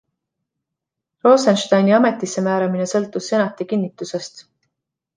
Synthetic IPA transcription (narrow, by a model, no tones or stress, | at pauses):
ro̞ːsɑnʃt̪ɑjniɑme̞t̪ːˑisːe̞mæːɾɑmine̞sɤlt̪ːˑusːe̞nɑt̪ːˑikinːit̪ːˑuse̞st̪